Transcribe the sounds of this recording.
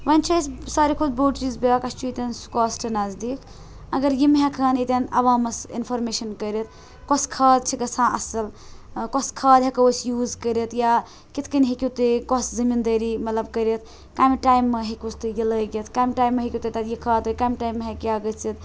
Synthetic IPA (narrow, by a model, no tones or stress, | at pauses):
ʋɐnʲt͡ʃʰassaːɾikʰud̪̚boːʈt͡ʃiːzbeakɐst͡ʃʰuit̪ensu̥kɔsʈʰinɐzd̪iːk | ɐɡɐɾjimɦekʰɐnit̪ʲɐnɐʋaːmɐsḭnpʰoɾmeːʃɐnkəɾet̪̚ʰ | kɔskʰɐːd̪̚t͡ʃʰiɡɐsãːʔɐsɐl | kɔskʰɐːd̪ɦekɐusjuːzkəɾet̪ja | kit̪ʰkɐnɦekʲut̪ɨkɔszɐmind̪ɐɾimɐt̪lɐbkəɾet̪̚ʰ | kaːmiʈaːjmːeɦekʲust̪ɨjiləɡet̪kaːmʲʈaːjmːɐɦekʲit̪ɨt̪ɐt̪jikʰɐːt̪ɨkaːmʈaːjmːɐɦekiaːɡət͡sit̪